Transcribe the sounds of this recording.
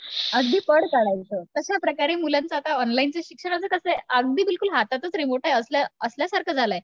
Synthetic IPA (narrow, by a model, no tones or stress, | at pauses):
əɡd̪iːpəɽkəɽajt͡sət̪əɕjapɾəkaɾiːmulãnt͡sət̪aɔnlaint͡seɕikʂəɽat͡səkəsəjəɡ̚d̪iːbilkulɦat̪at̪ət͡sɾimoʈajəslaəsljasaɾkʰəd͡zʱalaj